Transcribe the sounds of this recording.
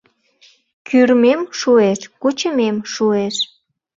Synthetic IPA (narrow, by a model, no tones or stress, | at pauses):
kyrmemʃueʃkut͡ɕəmemʃueʃ